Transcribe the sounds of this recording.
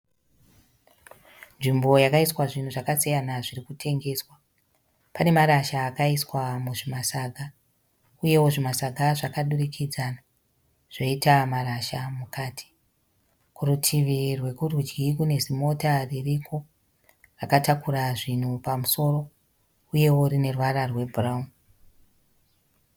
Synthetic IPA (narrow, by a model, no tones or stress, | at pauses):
nʐimbo̞jakaiswaʐin̤uʐakasijanaʐirikutʰe̞ŋɡe̞swa | pane̞maɾaʃaːkaiswamuʐimasaɡʱa | uje̞wo̞ʐimasaɡʱaʐakaɗurikʰid͡zana | ʐ̥oitamaɾaʃamukaːtʰi̥ | kurutʰiʋirwe̞kurid͡ʒɡikune̞zimo̞taririkʰo̞ | rakatakuɾaʐin̤upamuso̞ro̞ | uje̞wo̞ɾine̞rwararwe̞bʱuraum